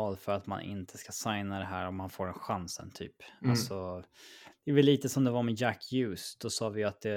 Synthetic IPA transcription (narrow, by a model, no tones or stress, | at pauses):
ɑːd̪fœɾat̪ma̰nʔɪ̰nt̪ʰəskasajnad̪ɛɦæːɾɔmhanfoːɾɛnɧansə̰nt̪ʰy̰ːpalsɔ | d̪̥ɛɛvɛlːiːt̪əsɔmd̪ɛvaɾmɛjækʰːjʉːsd̪̥ɔsɑːvɪjat̪̚d̪̥ɛ